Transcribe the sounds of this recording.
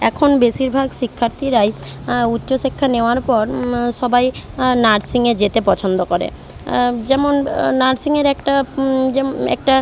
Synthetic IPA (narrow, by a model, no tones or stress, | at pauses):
ɛkʰonbeʃiɾbʱaɡʃikʰːaɾt̪ʰiɾajutːɕoʃikʰːaneoaɾpɔɾʃɔbajnaɖsiŋed͡ʑet̪epɔt͡ɕʰond̪okoɾḛ | d͡ʑɛmonnaɖsiŋeɾɛkʈad͡ʑɛ̰k̚ʈa